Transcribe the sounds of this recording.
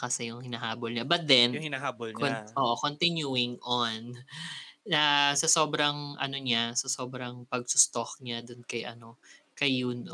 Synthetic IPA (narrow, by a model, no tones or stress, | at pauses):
kɐsɛjʊŋhɪnaːɦaːbolɲabɐt̪̚d̪ɛnʊŋhɪnaːɦaːbolkʔoːʔokont̪ɪnjuɪŋʔon | ɐsɐso̞ːbɾɐŋʔɐ̰noɲasɐso̞ːbɾɐŋpɐɡ̚sʊst̪okɲad̪ʊnkɐjʔɐ̰no̞kɐjuno